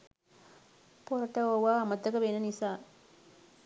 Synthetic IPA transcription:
poɾɐʈɐoːʋaːmɐt̪ːɐkɐʋenɐnisaː

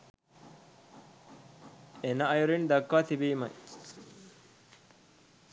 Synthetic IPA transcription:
enɐːjuɾind̪ɐkːaːt̪ibiːmɐ̰j

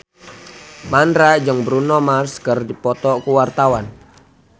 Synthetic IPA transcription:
mandɾad͡ʒəŋbɾunɔmarskərdipɔt̪ɔkuwart̪awan

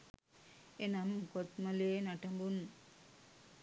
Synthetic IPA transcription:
enamkot̪mɐleːnaʈɐmbun

